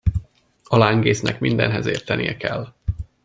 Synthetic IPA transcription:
ɒlaːŋɡeːsnʔɛkmind̪ɛ̰nɦɛzeːrt̪ɛnijɛkɛlː

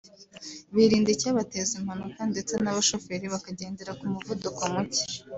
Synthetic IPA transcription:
βiɾiːndecaːβatezim̥hanukande̞t͡se̞naβaʃo̞fe̞ɾiβakaɟe̞ːnde̞ɾakumuvuduko̞muci̥

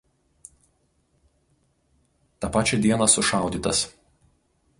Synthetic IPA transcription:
t̪ɑpɑːt͡ʃʲɛd̪ʲiɛnɐsʊʃɑˑʊd̪ʲiːˑt̪ɐs

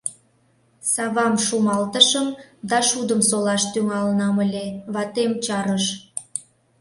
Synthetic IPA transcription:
sɑβɑmʃumɑlt̪əʃəmd̪ɑʃud̪əmsolɑʃt̪yŋɑlənɑməlʲeβɑt̪emt͡ɕɑɾəʃ

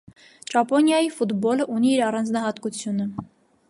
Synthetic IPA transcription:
t͡ʃɑpɔnjɑjifud̪bɔləʔuniːɾɑrɑnd͡znɑɦɑt̪kut͡sʰjunə

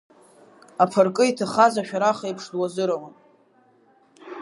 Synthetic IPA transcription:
apʰarkʼɨitʰaχazaʃᶣaɾaχaipʰʂdwazɨɾawan

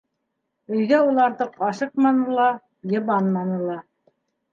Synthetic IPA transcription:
ɵ̆jɣæulˠɑɾðɤqɑʃɤq̚mɑnɤ̆lˠɑ | jɤ̆βɑnmɑnɤ̆lˠɑ

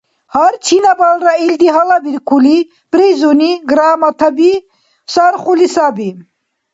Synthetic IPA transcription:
haɾt͡ʃʰinabalɾaild̪iɦalabiɾkʰuli | pɾezuniɡɾaːmat̪ʰabi | saɾχulisabi

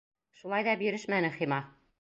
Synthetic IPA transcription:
ʃulˠɑjðɑbiɾɘʃmænɘχimɑ

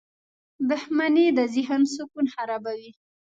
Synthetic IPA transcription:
d̪ʊhmaned̪əzɪɦənsukunhaɾabawi

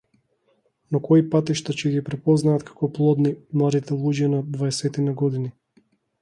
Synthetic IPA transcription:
nɔkɔipat̪iʃt̪at͡ʃɛɡipɾɛpɔznaːt̪kʰḁkɔplˠɔd̪nimlˠad̪it̪ɛlˠuɟanad̪vaɛsɛt̪inaɡɔd̪ini

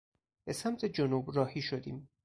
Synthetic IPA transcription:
b̥e̞samt̪ʰed͡ʒonuːbɾɒːhiːʃod̪ḭːm

